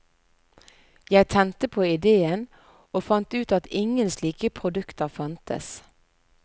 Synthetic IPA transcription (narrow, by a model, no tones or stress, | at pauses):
jæɪt̪ʰɛnt̪əpʰoːɪd̪eːən | oːfɑnt̪ʉːt̪ɑt̪ɪŋənsliːkəpʰʁʊd̪ʉkt̪əʁfɑnt̪ə̰s